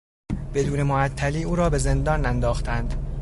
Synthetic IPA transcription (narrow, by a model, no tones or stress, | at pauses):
b̥e̞d̪uːne̞moæt̪ʰːæliːuːɾɒːbe̞ze̞nd̪ɒːnænd̪ɒːxt̪ænd̪̥